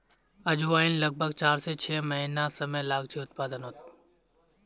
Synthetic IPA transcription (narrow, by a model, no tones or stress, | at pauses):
ɐd͡ʒuaːɪnlɐɡ̚bʱəɡt͡ʃaːɾset͡ʃʰeːmɐɦinasɐməjlaːɡt͡ʃʰiʊt̪̚paːd̪ənɦoːt̪